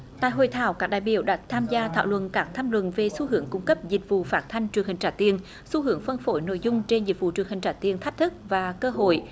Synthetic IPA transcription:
t̪a̰ː˧˨jɦo̰˧˨jt̪ʰa̰ː˧˨˦wkaː˦˥k̚ɗaː˧˨jɓi˧˨əwɗa̰ː˧˥t̪ʰaː˧mzaː˧t̪ʰaː˧˨wlwə̰˧˨nkaː˦˥k̚t̪ʰaː˧mlwə̰˧˨nve˨˩su˧hɨ˧˦əŋkʊ˧ŋ͡mkə˦˥p̚zï˨˩k̚vṵ˧˨faː˦˥t̚t̪ʰa˧jŋ̟t͡ɕɨ˨˩əŋhï˨˩ŋ̟t͡ɕaː˧˩t̪i˧˩ən | su˧˦hɨ˨˧˦əŋfə˧nfo˧˦jno̰˧˨jzʊ˧ŋ͡mt͡ɕe˧nzi˨˩t̚vṵ˧˨t͡ɕɨ˨˩əŋhï˨˩ŋ̟t͡ɕaː˧˩t̪i˨˧ənt̪ʰa˦˥k̟̚t̪ʰɨ˦˥k̚vaː˨˩kəː˧ɦo̰˧˨j

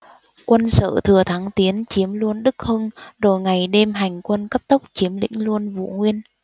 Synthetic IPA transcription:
kwə˧nsə̰ː˧˨t̪ʰɨ˨˩ət̪ʰaː˨˦ŋt̪i˨˦ənt͡ɕi˨˦əmlu˧ənɗɨ˦˥k̚hɨ˧ŋɗo˨˩jŋa˨˩jɗe˧mɦa˨˩jŋ̟kwə˧nkə˦˥p̚t̪ə˦˥k͡p̚t͡ɕi˨˦əmlḭ̈˧˥ŋ̟lu˧ənvṵ˧˨ŋwi˧ən

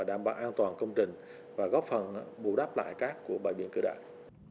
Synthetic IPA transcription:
aː˨˩ɗaː˧˩mɓa̰ː˧˩wʔaː˧nt̪waː˨˩nkə˧wŋ͡mt͡ɕï˨˩ŋ̟ | vaː˨˩ɣɔ˦˥p̚fə˨˩nɓṵ˧˩ɗaː˦˥p̚la̰ː˧˨jkaː˦˥kːu˧˩əɓa̰ː˧˨jɓḭ˧˨ənkɨ̰˧˩ɗa̰ː˧˨ŋ

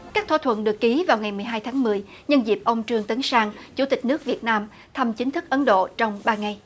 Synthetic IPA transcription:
kaː˦˥k̚t̪ʰaː˧˩t̪ʰwə̰˧˨nɗɨ˨˩əkːi˨˦vaː˨˩wŋa˨˩jmɨ˨˩əjɦaː˧jt̪ʰaː˨˦ŋmɨ˨˩əj | ɲə˧nzi˨˩əp̚ʔə˧wŋ͡mt͡ɕɨ˧əŋt̪ə˨˦ŋsaː˧ŋt͡ɕu˧˩t̪ï˨˩k̟̚nɨ˦˥ək̚vi˨˩ət̚naː˧m | t̪ʰa˧mt͡ɕï˨˦ŋ̟t̪ʰɨ˦˥k̚ʔə˨˦nɗo̰˧˨t͡ɕɔ˧wŋ͡mɓaː˧ŋa˨˧˩j

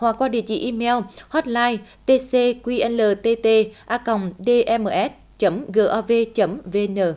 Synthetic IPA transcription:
hwa˨˩k̚ːwaː˧ɗḭ˧˨ət͡ɕḭ˧˨ʔi˧mɛ˧whɔ˦˥t̚laː˧jt̪e˧se˧kwi˧ʔɛ˧nləː˨˩t̪e˧t̪e˧ʔaː˧kə˨˩wŋ͡mɗe˧ʔɛ˧məː˨ʔɛ˦˥t̚ | t͡ɕə˨˦mɣəː˧˩ʔaː˧ve˧t͡ɕə˨˦mve˧nəː˧˩

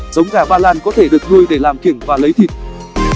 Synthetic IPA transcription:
zə˨˦wŋ͡mkaː˧˩ɓaː˧laː˧nkɔ˨˦t̪ʰe˧˩ɗɨ˨˩ək̚nu˧jɗe˧˩laː˨˩mki˧˩əŋvaː˨˩lə˨˦jt̪ʰḭ˧˨t̚

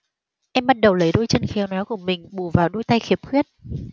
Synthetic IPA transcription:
ʔɛ˧mɓa˦˥t̚ɗə˨˩wlə˨˦jɗo˧jt͡ɕə˧nxɛ˨˦wnɔ˨˦jku˧˩əmï˨˩ŋ̟ɓu˧˩vaː˨˩wɗoː˧jt̪a˧jxi˨˦əp̚xwi˦˥ət̚

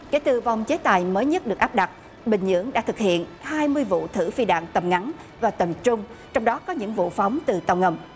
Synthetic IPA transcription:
kḛ˧˥˦t̪ɨ˧˨va˨˩wŋ͡mt͡ɕe˨˦t̪a̰ː˨˩jməː˨˦jɲə˦˥t̚ɗɨ˨˩ək̚ʔaː˦˥p̚ɗa˨˩t̚ | ɓï˨˩ŋ̟ɲɨ̰˧˥əŋɗa̰˧˥t̪ʰɨ˨˩k̚hḭ˧˨ənhaː˧jmɨ˧əjvṵ˧˨t̪ʰɨ˧˩fi˧ɗa̰ː˧˨ŋt̪ə˨˩mŋa˨˦n | vaː˨˩t̪ə˨˩mt͡ɕʊ˧ŋ͡mt͡ɕɔ˧wŋ͡mɗɔ˨˦kɔ˨˦ɲɨ̰˧˥ŋvṵ˧˨fa˨˦wŋ͡mt̪ɨ˨˩t̪ə˧wŋ͡mŋə˧˩m

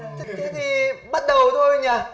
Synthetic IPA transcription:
ka˨˦t̪ʰi˨˩ɓa˦˥t̚ɗə˨˩wt̪ʰo˧jɲaː˨˩

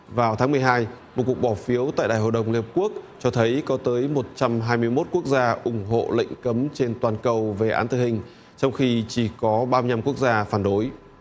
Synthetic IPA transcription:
vaː˨˩wt̪ʰaː˨˦ŋm˨˩əjɦaː˧jmo˨˩t̚ku˨˩ək̚ɓɔ˧˩fi˨˦əwt̪a̰ː˧˨jɗa̰ː˧˩jɦo̰˧˨ɗə˨˩wŋ͡mli˧˩hə˩p̚ku˦˥ək̚t͡ɕɔ˧t̪ʰə˨˦jkɔ˨˦t̪əː˨˦jmo˨˩t̚t͡ɕa˧mɦaː˧jmɨ˧əjmo˦˥t̚ku˦˥ək̚zaː˧ʔʊ˧˩ŋ͡mɦo̰˧˨lḛ˧˨jŋ̟kə˨˦mt͡ɕe˧nt̪waː˨˩nkə˨˩wve˨˩ʔaː˨˦nt̪ɨ̰˧˨hï˨˩ŋ̟ | t͡ɕɔ˧wŋ͡mxi˧t͡ɕi˧˩kɔ˨˦ɓaː˧m˧ɲa˧mku˦˥ək̚zaː˧faː˧˩nɗo˨˦j

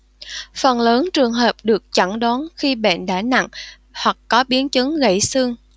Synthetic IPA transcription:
fə˨˩nləː˨˦nt͡ɕɨ˨˩əŋɦəː˨˩p̚ɗɨ˨˩ək̚t͡ɕə˧˩ŋɗa˨˦nxi˧ɓḛ˧˨nɗa̰ː˧˥na̰˧˨ŋ | hwa˨˩k̚ːɔ˨˦ɓi˨˦ənt͡ɕɨ˨˦ŋɣə̰˧˩jsɨ˧əŋ

